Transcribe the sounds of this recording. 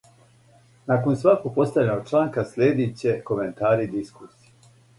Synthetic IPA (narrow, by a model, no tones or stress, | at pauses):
nako̞nsʋakoɡ̚po̞st̪avʎʲenoɡ̚t͡ʃlˠaːŋkasʎʲeːd̪it͡ɕe̞ko̞ment̪aːɾid̪iskusie